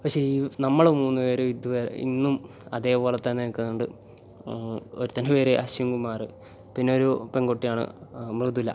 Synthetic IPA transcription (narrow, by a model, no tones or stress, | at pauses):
pɐkʂeiːnɐmːɐɭomuːnːupe̞ːɾeʋid̪ʱuʋeːɾ̰ḭnːum | ɐðe̞ːbo̞ːlet̪ːenːekːɐɐɳɖɨ | oɾut̪ːɐnupe̞ːɾeʔɐɕɐjɐŋɡumaːrɨ | pinːeoɾupeŋɡoʈːijaːɳɨ̰mird̪ilːɐ̰